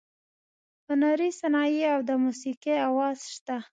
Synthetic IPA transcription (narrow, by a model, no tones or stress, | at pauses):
pənaɾisanɑjiawd̪əmusiqeawɑz̥ʃt̪a